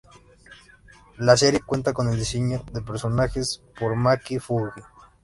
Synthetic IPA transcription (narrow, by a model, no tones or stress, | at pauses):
laseɾjekwent̪akoneld̪iseɲoðepeɾsonaxespoɾmakifuɣi